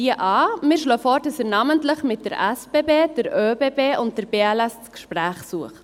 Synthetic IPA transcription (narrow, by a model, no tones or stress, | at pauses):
iəʔɑːmɪːɾʃløːfɔːɾd̥ɑsɛːɾnɑməntləχmɪt̚d̥əɾʔæsb̥eːbeːd̥əɾøːbeːbeːʔʊnt̚d̥əɾb̥eːælɛst͡skʃpɾæːχsuəχt